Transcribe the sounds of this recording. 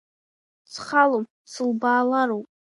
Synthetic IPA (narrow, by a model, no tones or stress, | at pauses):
t͡sʰχalopʼ | t͡sʰɨlbaːlaɾowpʼ